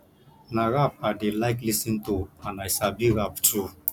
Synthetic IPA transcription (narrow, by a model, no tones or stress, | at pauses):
naɣap̚adelaɪklisĩntuãnajsabiɾaptʰu